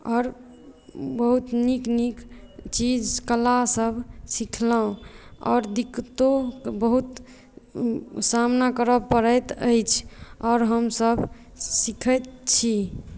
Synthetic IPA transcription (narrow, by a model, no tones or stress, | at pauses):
ɔːɾ | bəɦut̪niknikt͡ʃid͡ʒkəlasəbʱsikʰlaũɔ̰ːɾd̪ikt̪obəɦut̪ | samnakəɾəpəɾət̪ə̰jt͡ʃʰɔːɾɦəmsəbʱ | sikʰət̪̚t͡ʃʰi